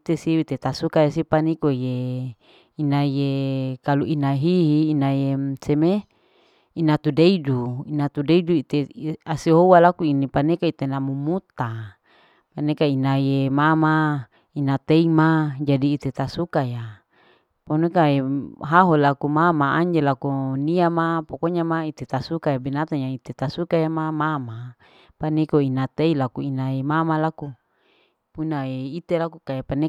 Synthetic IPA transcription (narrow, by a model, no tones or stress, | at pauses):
t̪esiwit̪et̪asukajasipanikoje | inajekaluinaɦiɦiːnajeseme | inat̪udeiduinat̪udeiduit̪easiɦowalakuinipanekait̪enamumut̪a | panekainajemama | inat̪eimad͡ʒadiːt̪et̪asukaja | ponokaeɦaɦolakumamaaɲd͡ʒelakuniamapokoɲamait̪et̪asukajabinat̪aɲait̪et̪asukajamamama | panekoinat̪eilakuinaemamalaku | punaeit̪elakukajepane